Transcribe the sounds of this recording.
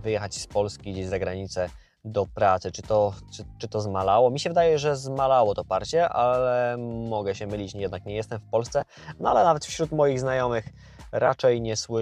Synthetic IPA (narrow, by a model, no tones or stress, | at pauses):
vɘjɛxat͡ɕspɔlskʲiɡd͡ʑeʑzaɡɾaɲit̪sɛ | d̪ɔpɾat̪sɘt͡ʂɘt̪ɔʈ͡ʂɘt͡ʂɘt̪ɔzmalawɔmʲiɕɛvɘd̪ajɛʐɛzmalawɔt̪ɔpaɾt͡ɕɛʔalɛmɔɡɛɕɛmɘlʲit͡ɕjɛd̪nakɲɛjɛst̪ɛmfpɔlst̪sɛ | nɔa̰lɛnavɛt̪fɕɾut̪mɔjiɣznajɔmɘx | ɾat͡ʂɛjɲɛswɘ